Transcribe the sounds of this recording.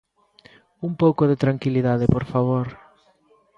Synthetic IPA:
umpowkoðet̪ɾaŋkiliðaðepoɾfaβ̞oɾ

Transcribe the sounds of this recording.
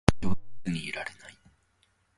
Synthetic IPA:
onʲiːɾaɾenai

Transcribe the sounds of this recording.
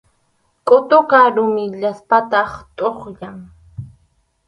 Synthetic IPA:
kʼot̪okaɾʊmɪʎaspat̪ɑχt̪ʼoχjaŋ

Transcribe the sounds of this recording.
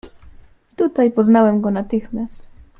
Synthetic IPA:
t̪ut̪ajpɔznawɛmɡɔnat̪ɘxmʲjast̪

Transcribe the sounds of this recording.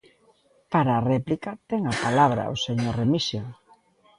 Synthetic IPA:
paɾaːrɛplikat̪ɛŋapalaβɾɐ̰o̰seɲoremisjoŋ

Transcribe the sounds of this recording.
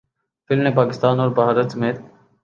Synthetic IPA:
fɪlmnẽpaːkɪst̪aːnɔːɾbaɦaɾət̪səmeːt̪̚

